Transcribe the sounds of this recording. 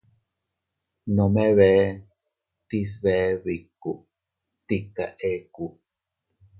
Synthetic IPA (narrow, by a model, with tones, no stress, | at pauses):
no˨me˦βe˦ | t̪i˦s̬βe˦βikːu˨ | t̪ika̰˨ʔe˦ku